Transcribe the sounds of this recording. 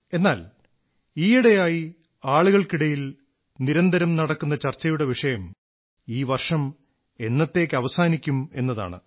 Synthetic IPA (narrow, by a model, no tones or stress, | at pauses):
e̞nːaːl | iːiɽejaːji | aːɭuɣɐɭkiɽɐjil | niɾɐnd̪ʱɐɾɐmnɐɽɐkːunːɐt͡ɕɐrt͡ɕːɐjuɽe̞ʋiʂɐjɐm | iːʋɐrʂɐm | e̞nːɐt̪ːe̞ːkːɐʋɐsaːnikʲːume̞̰nːɐða̰ːɳɨ̰